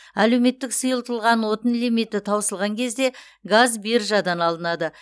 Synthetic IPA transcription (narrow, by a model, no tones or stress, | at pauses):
ælewme̞t̪ːɪksəjəlˠt̪əlˠʁɑnwo̞t̪ənlʲimit̪ːɪt̪ʰɑwəsəlˠʁɑŋkʲʰe̞zd̪e̞ | ɡazbeɾʒɑd̪ɑnɑlˠənɑd̪ə